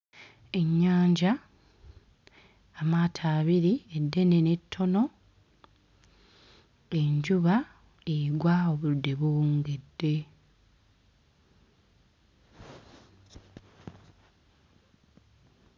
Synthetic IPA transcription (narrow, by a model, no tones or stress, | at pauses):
e̞ɲːaːɲɟa | amaːtʰaːβiɾie̞dːe̞ne̞ne̞tʰːo̞no̞ | e̞ɲɟuβa | eɡwaoβudːe̞βuŋɡedːe̞